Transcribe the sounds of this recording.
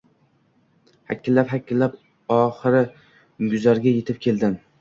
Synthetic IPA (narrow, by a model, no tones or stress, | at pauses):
hakʲːɪlːapɦakʲːɪlːap | ɒχɨɾɪ | ɡʊzaɾɡʲaje̞t̪ʰɪp̚kʲʰe̞ld̪ɪm